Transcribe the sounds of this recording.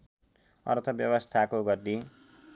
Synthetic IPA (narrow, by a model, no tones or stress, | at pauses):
ʌ̰rt̪ʰʌbjʌbʌst̪ʰakoɡʌrd̪i